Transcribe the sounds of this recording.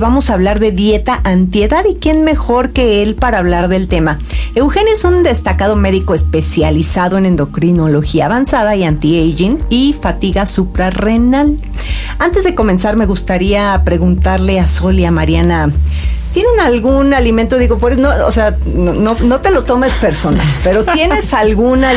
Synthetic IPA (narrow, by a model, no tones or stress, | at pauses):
βamo̞saːβlaɾðe̞ðje̞t̪aʔant̪je̞ðaðikje̞nme̞xo̞ɾke̞e̞lpaɾaːβlaɾðe̞lt̪e̞ma | e̞wxe̞njoesund̪e̞st̪akaðo̞me̞ðiko̞espe̞sjalisaðo̞e̞nẽ̞nd̪o̞kɾino̞lo̞xiaːβansaðaiant̪iejʝinifat̪iɣasupɾarenal | ant̪e̞zðe̞ko̞me̞nsaɾme̞ɣust̪aɾiapɾe̞ɣunt̪aɾle̞aso̞ljamaɾjanat̪je̞ne̞nalɣunaliment̪oðiɣo̞pweɾesnoo̰se̞a | onono̞t̪e̞lo̞t̪o̞me̞spe̞ɾso̞nalpe̞ɾo̞t̪je̞ne̞salɣuna